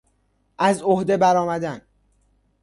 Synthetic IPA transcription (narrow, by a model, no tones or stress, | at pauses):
ʔæzohd̪e̞bæɾɒːmæd̪æn